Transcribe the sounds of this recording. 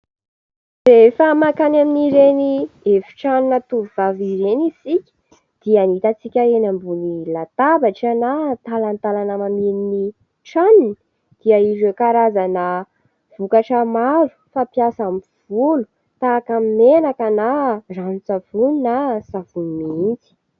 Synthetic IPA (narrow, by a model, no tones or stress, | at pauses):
refəmakanaminiɾeniefi̥ʈ͡ʂaninat̪uvivaviɾenisikʲə̥ | d̪̥ianit̪at͡sikʲəenambunilat̪abaʈ͡ʂanat̪alant̪alanəmaminini | ʈ͡ʂanini̥ | d̪̥iaiɾekaɾazanə | v̥ukaʈ͡ʂəmaɾu̥fapjasam | v̥ulu̥ | t̪akamimenakənaranit͡savuninasavunimind͡zi̥